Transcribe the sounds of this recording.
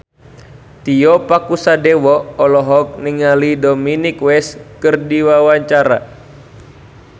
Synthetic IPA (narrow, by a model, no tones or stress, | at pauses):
t̪iɔpakusadɛwɔɔlɔɦɔk̚niŋalidɔminikwɛskɨrdiwawaɲt͡ʃaɾa̰